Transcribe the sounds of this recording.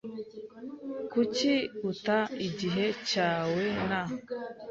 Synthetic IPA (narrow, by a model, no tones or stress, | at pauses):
kuciutaiɟiɦecaːwena